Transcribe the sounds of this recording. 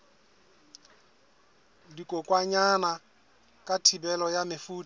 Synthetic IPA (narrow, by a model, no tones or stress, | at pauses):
dikʼokʼwaɲana | kʼatʰibɛlɔjamɪfuːtʼ